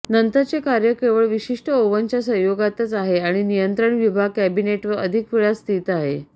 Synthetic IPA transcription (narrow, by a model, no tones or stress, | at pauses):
nənt̪at͡sekaɾjəkeʋəɭʋiɕiʂʈʰəoʋəɲt͡ɕjasə̃ɦjoɡat̪at͡saɦeaɽ̃inijənt̪ɾəɳʋibʱaɡ̚kæbineʈʋəəd̪ʱikfiɭast̪ʰit̪aɦe